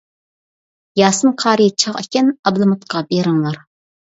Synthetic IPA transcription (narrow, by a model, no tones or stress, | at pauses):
jɑːsɨmqʰɑːɾɨt͡ʃʰɑʁɪkʲɛnɑblˠɨmut̪qʰɑbeɾɨŋlˠɑɾ